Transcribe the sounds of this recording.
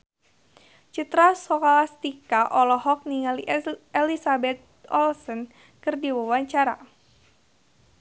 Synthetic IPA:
t͡ʃit̪ɾasɔkalast̪ikaʔɔlɔɦɔk̚niŋalielisabɛt̪̚ɔ̰lsən | kɨrdiwawaɲt͡ʃaɾa

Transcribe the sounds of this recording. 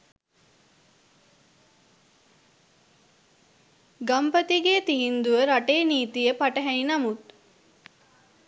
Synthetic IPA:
ɡampət̪iɡeːt̪iɦind̪uʋəɾaʈeːniːt̪ijəpaʈəɦɛninɐmut̪

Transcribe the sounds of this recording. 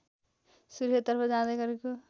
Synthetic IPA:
suɾjʌt̪ːʌrpʰʌd͡zãd̪aɡʌɾeko

